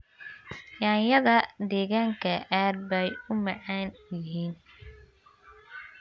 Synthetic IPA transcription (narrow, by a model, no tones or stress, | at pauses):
jaːnjɐðɐd̪ɛːɣaːŋkʰɐʔaːd̪̚bɛjʊmɑʕɑːnjɪɦiːn